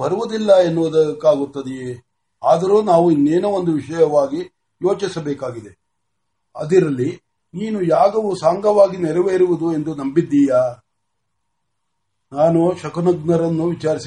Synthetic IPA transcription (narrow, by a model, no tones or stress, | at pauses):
bɐɾuʋud̪ilːɐenːuʋud̪ɐkːaːɡut̪ːɐd̪i | aːd̪ɐɾuːnaːʋuinːeːnuo̞nd̪uʋiʂɐjɐʋaːɡi | joːt͡ʃisɐbɛːkaːɡid̪e | ɐ̰d̪iɾɐlːi | niːnujaːɡɐʋusaːŋɡɐʋaːɡinɛɾɛʋeiɾuʋud̪ue̞nd̪unɐmbid̪ːiːja | naːnuʃɐkɐnɐɡnɐɾɐnːuʋit͡ʃaːɾis